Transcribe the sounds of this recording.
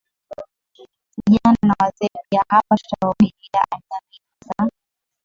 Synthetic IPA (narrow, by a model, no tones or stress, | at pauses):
kiʄananawazɛɾiahapaʃaɔmilia̰ʔalinami | za